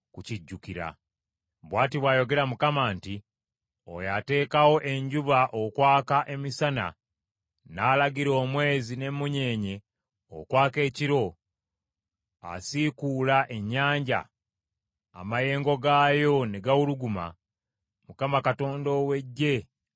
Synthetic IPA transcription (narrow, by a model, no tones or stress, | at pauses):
kuciɟːukiɾa̰ | βwaːtiβwajo̞ɡe̞ɾamukamaːnti | o̰jate̞ːkawo̞ʔe̞ɲɟuβaʔokwaːkaʔe̞misana̰ | naːlaɡiɾo̞ːmwe̞ːzine̞muɲe̞ːɲe̞ | o̰kwaːke̞ːciɾo̞ | a̰sikulaʔe̞ɲːaːɲɟa̰ | a̰maje̞ːŋɡo̞ɡaːjo̞ne̞ɡawuluɡuma̰ | mukamakato̞ːndo̞we̞ɟːe̞